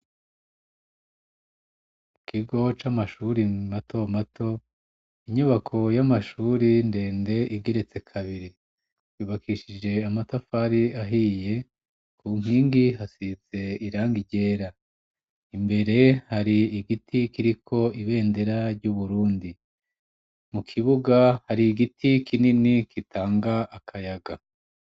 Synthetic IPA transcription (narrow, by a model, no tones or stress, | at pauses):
kʰiɡo̞t͡ʃamaʃuɾimatʰo̞matʰo̞ | iɲuβakʰo̞jamaʃuːɾinde̞ːnde̞ʔiɡe̞ɾe̞t͡se̞kʰaβiɾi | juːβakʰiʃid͡ʒe̞amatafaɾiaɦije̞ | kʰum̥hiːŋɡiɦasit͡se̞iɾaːŋɡiɟe̞ːɾa | imbe̞ɾe̞haɾiːɡitʰikiɾikʰo̞iβe̞ːnde̞ɾaɾɟuβuɾuːndi | mukʰiβuɡahaɾiːɡitʰikʰininikʰitʰaːŋɡaʔːkʰajaɡa